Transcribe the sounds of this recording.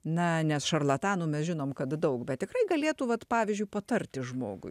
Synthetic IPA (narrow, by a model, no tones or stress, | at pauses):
nɐnʲɛsʃɐrlˠɐt̪ɑːnuːmʲɛsʒʲɪnoːmkɐt̪d̪ɐʊkbʲɛt̪̚t̪ʲɪkɾɐɪɡɐlʲeːt̪uːʋɐt̪pɑːʋʲɪzʲd͡ʒʲʊɪpɐt̪ɐrʲt̪ʲɪʒmo̰ːɡʊ̰ɪ